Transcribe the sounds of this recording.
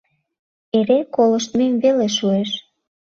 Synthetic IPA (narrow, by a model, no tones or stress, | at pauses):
eɾekoləʃt̪memveleʃueʃ